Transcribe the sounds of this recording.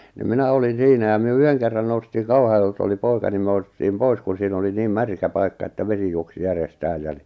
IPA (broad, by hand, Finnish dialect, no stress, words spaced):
ni minæ olin̞ siːnæ jɑ myø yheŋ kerːɑn noustiːŋ kɑuhɑjoelt oli poikɑ ni my̆æ̆ noustiːm pois kun siːn oli niːm mærkæ pɑikːɑ etːæ ʋesi juoksi jærestæːj jæ ni